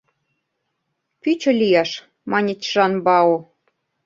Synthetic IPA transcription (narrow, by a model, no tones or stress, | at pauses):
pyt͡ɕŏlʲijɑʃ | mɑnʲet͡ɕʒɑnbɑo